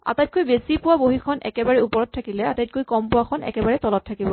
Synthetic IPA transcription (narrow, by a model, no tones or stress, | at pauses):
a̰tajt̚kojbesipʊwaboɦikʰɔnʔɛ̰kɛbaɹɛupɔɹɔt̚tʰːakilɛatajt̚kojkɔmpʊwakʰɔnɛ̰kɛbaɹɛtɔlɔtʰːakibɔ